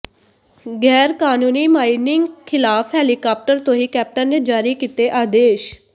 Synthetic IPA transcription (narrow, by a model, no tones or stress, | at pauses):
ɡɛːɾkaːnuːniːmaːinɪŋɡkʰɪlaːfʰɦɛːliːkaːp̚ʈəɾt̪õːɦiːkɛːp̚ʈənneːd͡ʒaːɾiːkiːt̪eːʔaːd̪eːʃ